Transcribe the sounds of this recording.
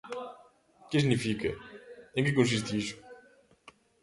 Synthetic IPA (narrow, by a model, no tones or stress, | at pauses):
kɪsinifikɐẽŋkɪkõs̬is̬t̪ɪisu̥